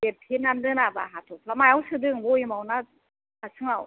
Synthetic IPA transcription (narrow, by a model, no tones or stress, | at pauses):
bep̚pʰinandɯnabaɦatʰɔpʰamajawsɯdɯŋbɔimawna | asʰɯŋaw